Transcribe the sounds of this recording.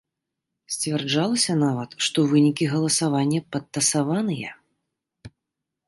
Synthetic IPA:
sʲt͡sʲvʲɛrd͡ʐalˠɐsʲɐnavɐt̪ʂt̪ɔvɨnʲikʲiɣɐlˠɐsavanʲːɐpɐt̪ːɐsavanɨjɛ̰

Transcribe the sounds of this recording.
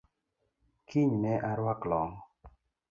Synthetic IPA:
kʰiɲnɛʔaɾwaklɔŋ

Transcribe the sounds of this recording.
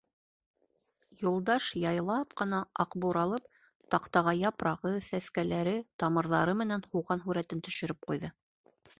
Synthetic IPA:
julˠd̪ɑʃjɑjlˠɑpqɤ̆nɑɑqbuɾɑlˠɤp | t̪ɑqt̪ɑʁɑjɑpɾɑʁɤsæskælæɾɘt̪ɑmɤ̆ɾðɑɾɤmɘ̆nænhuwʁɑnɦuɾæt̪ɘnt̪ɵ̆ʃɵ̆ɾɘp̚qujðɤ

